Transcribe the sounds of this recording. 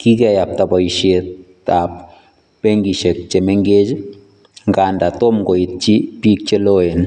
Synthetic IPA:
kikɛjap̚tabɔiʃet | ap̚ | peŋɡiʃek̚t͡ʃemɛŋɡed͡ʒ | ŋɡaːndatomɡoit̚t͡ʃipik̚t͡ʃeloen

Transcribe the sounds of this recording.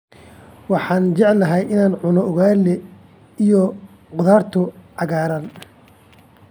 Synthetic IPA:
wɑħɑːnt͡ʃɛʕlːɐɦɛjɪnaːnʕʊnɔʊɣaːlɛ | ijɔ | qʊðaːrt̪ʰʊʕɑɣaːɾɐn

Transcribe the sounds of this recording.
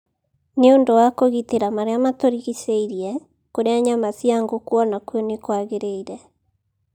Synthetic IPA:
neondowakoɣiteɾamaɾeamatoɾiɣiseiɾijɛ | koɾeaɲamasjaŋɡokwɔnakuɔnekwaɣeɾeiɾɛ

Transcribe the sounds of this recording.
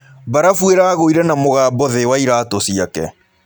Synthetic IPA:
baɾafweɾaɣoiɾɛnamoɣaːbɔðewaiɾaːtosiakɛ̰

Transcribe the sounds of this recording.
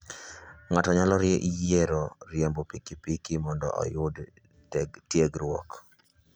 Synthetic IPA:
ŋatɔɲalɔɾjeʔijeɾɔɾjembopikipikimɔndɔ̰ʔɔ̰jʊd | ɛɡtjeɡɾwɔk

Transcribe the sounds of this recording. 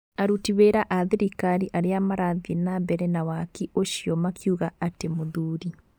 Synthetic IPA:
aɾutiβeːɾaʔaðeɾikaɾiʔaɾeamaɾaðenaβɛɾɛnawakioʃjɔmakʰjuɣaatemoðuːɾi

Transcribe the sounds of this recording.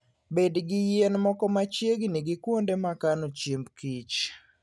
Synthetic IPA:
bedɡijenmɔkɔmat͡ʃjeɡniɡikwondemakanot͡ʃimbkit͡ʃ

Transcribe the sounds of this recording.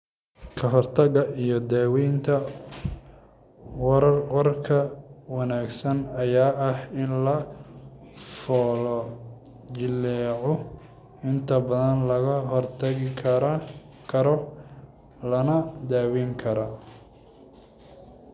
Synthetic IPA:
kʰɐɦɔrt̪ʰɐɣɐʔijɔd̪aːwiːnt̪ʰɐ | wɐɾɐrɔrkʰɐwɑnaːɡsɐnɐjaːʔɐhɪnlɐ | fɔːlɔ | d͡ʒɪlːɛːʕɔ | ɪnt̪ʰɐbɐðɐnlɐɣɐɦɔrt̪ʰɐɪkʰɐɾ | kʰɐɾɔ | lɐnɐd̪aːwiːŋkʰɐɾɐ

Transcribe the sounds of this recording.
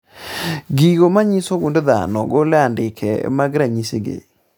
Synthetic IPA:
ɡiɣomaɲisoɣundeða̰nɔ̰ɣolɛandɪkʰɛ̰maɣɪɾaɲiseɡḛ

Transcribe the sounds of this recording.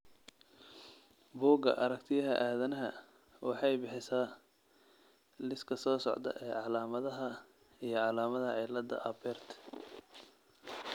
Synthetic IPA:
buːɡɐ̰ʔɐɾɐkt̪ʰɪjɐɦɐʔaːðɐnɐɦɐ | wɑħɑjbɪħɪsaː | lɪskʰɐsɔːsɔʕd̪ɐ̰ʔɛːʕɑlaːmɐðɐɦɐ | ijɞʕɑlaːmɐðɐʕɪlɐd̪ɐ̰ʔɐbɛrt̪ʰ

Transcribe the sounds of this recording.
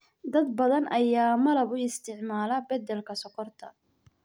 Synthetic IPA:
d̪ɐd̪bɐðɐnʔɐjaːmɐlɐβʊɪst̪ʰɪʕmaːlɐbɐd̪ɛlkʰɐsɔkʰɔrt̪ʰɐ̰

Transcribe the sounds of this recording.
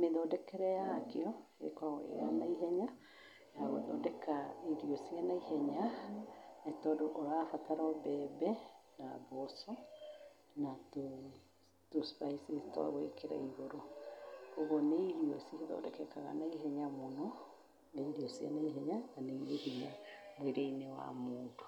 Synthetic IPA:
meðɔdɛkɛɾɛakeɔ | ḛkwaḛɣa̰naiɦɛɲa | aɣo̰ðɔ̰dɛkaiɾiɔsjanaihɛɲa | netɔdoʔoɾafataɾɔbɛbɛna̰bɔsɔ | nato | tospaisestɔa̰ɣwekeɾa̰iɣoɾo | oɣoneiɾiɔseeðɔ̰ːdɛkɛkaɣa̰naiɦɛɲamonɔ | neiɾiɔsia̰naiɦɛɲananeehiɲamweɾeinewa̰moːndo

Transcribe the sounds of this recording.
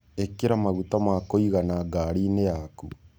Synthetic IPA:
ekeɾamaɣutamakoiɣanaɡaːɾinejaku

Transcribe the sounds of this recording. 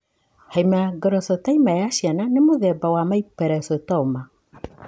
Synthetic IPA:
hajmaɡɛɾɔsɔtaimajaʃiananemoðɛbawamaipɛɾɛsɔtɔuma

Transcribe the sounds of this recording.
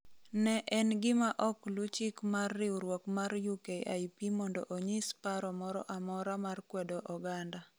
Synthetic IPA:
nɛʔɛnɡɪmaʔɔklut͡ʃɪkmarːɪuɾwɔkmaɾjukeʔa̰ipimɔndɔ̰ʔoɲispaɾɔmɔɾɔ̰ʔamɔɾamarkwɛdɔʔɔɡanda

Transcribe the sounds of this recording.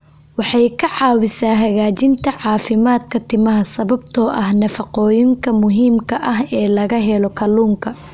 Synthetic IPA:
wɑħɑjkʰɐʕɑːwɪsaːɦɐɣaːt͡ʃɪnt̪ʰɐʕɑːfɪmaːd̪kʰɐt̪ʰɪmɐɦɐsɐβɐbt̪ʰɔːʔɐhnɐfɑqɔːjɪŋkʰɐmʊɦiːmkʰɐʔɐɦɛːlɐɣɐɦɛlɔkʰɐluːŋkʰɐ

